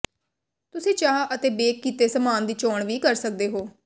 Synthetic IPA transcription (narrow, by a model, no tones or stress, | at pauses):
t̪ʊsẽːt͡ʃaːʔət̪eːbeːkːiːt̪eːsəmaːnd̪iːt͡ʃɔːɳʋiːkəɾsək̚d̪eːɦoː